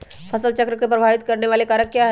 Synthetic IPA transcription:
pʰɐsəlt͡ʃɐkɾəkepɾɐbʱaːʋɪt̪̚kɐɾneʋaːlekaːɾəkkjaɦ

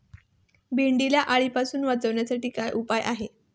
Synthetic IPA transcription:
bʱeɳɖilaʔaɭiːpasuːnʋat͡səʋɳjasaʈiːkajʔupajʔaɦe

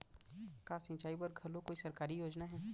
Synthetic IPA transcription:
kaːsɪ̃t͡ʃaːibɐɾɡʱɐlõkoːisɐɾkaːɾijoːd͡ʒnaɦɛː

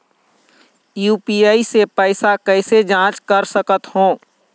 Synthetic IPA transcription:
juːpiaːisepəɪsakɛɪsed͡ʒãːt͡ʃkəɾsəkət̪ɦõː

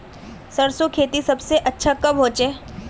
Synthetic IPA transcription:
sɐɾsokʰeːt̪isɐbseʔɐtːʃʰakɐmɦoːt͡ʃeː

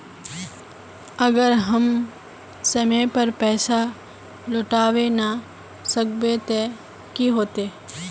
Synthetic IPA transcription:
əɡəɾɦəm | sɐmẽpəɾpɛːsa | loːʈaːʋena | səkbet̪e | kiɦoːt̪eː

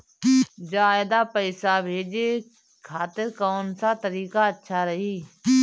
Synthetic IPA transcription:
d͡ʒaːɪd̪aːpəɪsaːbʱeːd͡ʒeː | kʰaːt̪ɪɾkoːnsaːt̪əɾiːkaːətːʃʰaːɾəɦiː

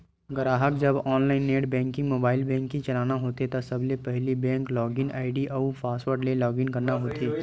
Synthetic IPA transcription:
ɡɐɾaːɦəkd͡ʒɐbɔːnlaːɪnːeːʈbɛ̃ːŋkɪ̃ŋɡmoːbaːɪlbɛ̃ːŋkːit͡ʃɐlaːnaɦoːt̪et̪ɐsɐblepɛɦlibɛ̃ːŋklɔːɡɪna̰ːɪɖiɐupʰaːsʈʋəɾɖlelɔːɡɪŋkɐɾnaɦoːt̪eː

